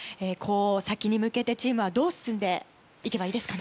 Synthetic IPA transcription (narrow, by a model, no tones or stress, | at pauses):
ekʰo̞ːsakʲiɲ̟imɯ̟ke̞t̪e̞t͡ɕiːmɯ̟β̞ad̪o̞ːsɨ̥sɨ̃nd̪e̞ | ike̞baiːd̪e̞sɨ̥kan